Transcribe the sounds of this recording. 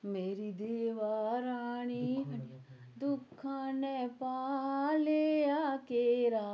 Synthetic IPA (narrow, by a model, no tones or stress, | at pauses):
meːɾid̪eːʋaːɾaːɽ̃iɦɐɳia | d̪ʊkʰːãːnɛ̃paːleːjaːkeɾaː